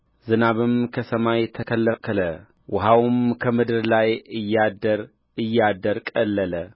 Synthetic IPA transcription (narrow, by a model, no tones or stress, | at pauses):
zɨnaβɨmkʰəsəmajt̪ʰəkʰəlːəkʰɨlə | wʊɦawmkʰəmɨd̪ɨɾlajɨjːad̪əɾ | ɨjːad̪əɾkʼəlːələ